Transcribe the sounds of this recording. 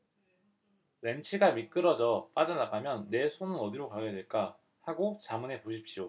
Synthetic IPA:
ɾe̞nt͡ɕʰiɡamik͈ɯɾʌd͡ʑʌp͈ad͡ʑʌnaɡamjʌnːe̞sʰonɯnʌdiɾokaojedweɭk͈a | haɡot͡ɕamɯne̞poɕʰip̚ɕ͈io

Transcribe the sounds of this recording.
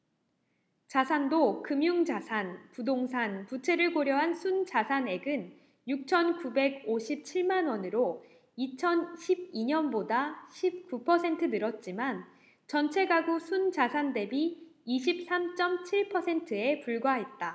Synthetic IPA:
t͡ɕasʰandokɯmjuŋd͡ʑasʰanpudoŋsʰanput͡ɕʰe̞ɾɯɭkoɾjʌɦansʰund͡ʑasʰane̞ɡɯn | juk̚t͡ɕʰʌnkube̞ɡ̚oɕʰip̚t͡ɕʰiɭmanwʌnɯɾo | it͡ɕʰʌnɕʰib̚iɲʌnbodaɕʰip̚k͈upʰʌsʰe̞ntʰɯnɯɾʌt̚t͡ɕ͈iman | t͡ɕʌnt͡ɕʰe̞ɡaɡusʰund͡ʑasʰande̞biiɕʰip̚s͈amt͡ɕ͈ʌmt͡ɕʰiɭpʰʌsʰe̞ntʰɯe̞puɭɡwaɦe̞t̚t͈a

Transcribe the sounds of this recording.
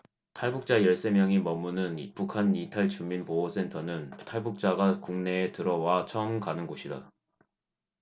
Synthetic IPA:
tʰaɭbuk̚t͡ɕ͈ajʌɭs͈e̞mjʌŋimʌmːunɯnipukʰanitʰaɭt͡ɕuminpoos͈ʰe̞ntʰʌnɯntʰaɭbuk̚t͡ɕ͈aɡakuŋne̞ːtɯɾʌwat͡ɕʰʌɯmkanɯnɡoɕʰida

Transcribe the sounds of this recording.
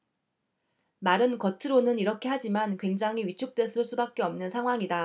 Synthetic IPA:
maɾɯnkʌtʰɯɾonɯniɾʌkʰe̞had͡ʑimankwe̞ŋd͡ʑaŋiɥit͡ɕʰuk̚t͈we̞sʰɯɭs͈ubak͈̚e̞ʌmnɯnsʰaŋɦwaŋida

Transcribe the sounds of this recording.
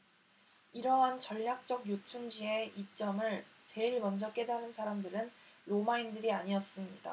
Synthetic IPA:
iɾʌɦant͡ɕʌʎːak̚t͡ɕ͈ʌɡjot͡ɕʰuŋd͡ʑie̞it͡ɕ͈ʌmɯɭ | t͡ɕe̞iɭmʌnd͡ʑʌk͈e̞daɾɯnsʰaɾamdɯɾɯnɾomaindɯɾiaɲiʌs͈ɯmɲida̰

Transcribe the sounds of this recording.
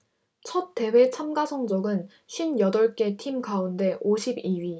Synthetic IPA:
t͡ɕʰʌt̚t͈ːe̞we̞t͡ɕʰamɡasʰʌŋd͡ʑʌɡɯn | ɕʰɥinjʌdʌɭk͈e̞tʰimɡaunde̞ʔoɕʰibiɥi

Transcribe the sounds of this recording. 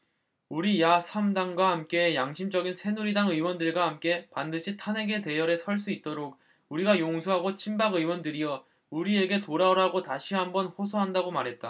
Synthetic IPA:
uɾijasʰamdaŋɡwahamk͈e̞jaŋɕʰimd͡ʑʌɡinsʰe̞nuɾidaŋɯwʌndɯɭɡwahamk͈e̞pandɯɕʰitʰane̞ɡe̞te̞jʌɾe̞sʰʌɭs̬͈uit̚t͈oɾok̚ | uɾiɡajoŋsʰoɦaɡot͡ɕʰimbaɡɯwʌndɯɾijʌ | uɾie̞ɡe̞toɾaɾaɡotaɕʰiɦambʌnɸosʰoɦandaɡomaɾɦe̞t̚t͈a

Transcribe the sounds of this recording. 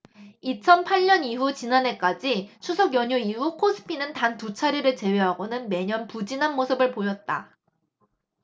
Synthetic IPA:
it͡ɕʰʌnpʰaɭɲʌniɦut͡ɕinane̞k͈ad͡ʑit͡ɕʰusʰʌɡjʌɲoiɦukʰos͈ʰɯ̥pʰinɯntantut͡ɕʰaɾiɾɯɭt͡ɕe̞we̞ɦaɡonɯnme̞ɲʌnpud͡ʑinanmosʰɯbɯɭpojʌt̚t͈a

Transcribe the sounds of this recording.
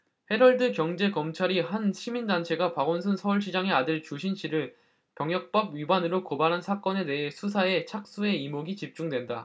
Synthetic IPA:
he̞ɾʌɭdɯkjʌŋd͡ʑe̞kʌmt͡ɕʰaɾiɦanɕʰimindant͡ɕʰe̞ɡapaɡonsʰɯnsʰʌuɭɕ̬ʰid͡ʑaŋe̞adɯɭt͡ɕuɕʰinɕʰiɾɯɭ | pjʌŋjʌk̚p͈ʌbɥibanɯɾokobaɾɦansʰak͈ʌne̞te̞ɦe̞sʰus̬ʰae̞t͡ɕʰak̚s͈ue̞imoɡit͡ɕip̚t͡ɕ͈uŋdwe̞nda

